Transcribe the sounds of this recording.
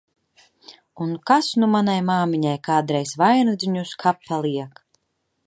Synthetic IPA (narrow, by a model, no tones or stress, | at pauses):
unkasnumanajmaːmiɲajkaːd̪ɾɛjsvajnud̪ziɲuskʰapʰːalˠiɛk